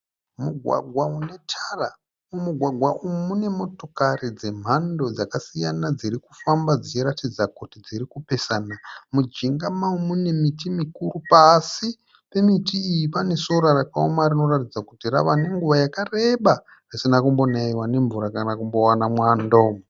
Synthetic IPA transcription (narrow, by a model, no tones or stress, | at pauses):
muɡʱwa̰ɡʱwaune̞tʰara | umuɡʱwaɡʱwaʔumune̞mo̞to̞karid͡ze̞m̤ando̞d͡zakasijanad͡ziɾiku̥fambad͡zit͡ʃiɾatid͡zakotid͡ziɾikupe̞sanamud͡ʒiŋɡamaumune̞mitimikuɾupasi | pe̞mitiːjipane̞so̞ɾaraka̰omarino̞ratid͡zakutira̰ʋane̞ŋɡuʋajakare̞ɓa | risinakumbo̞naiwane̞ɱvuɾakanakumbo̞wanamwandoːmo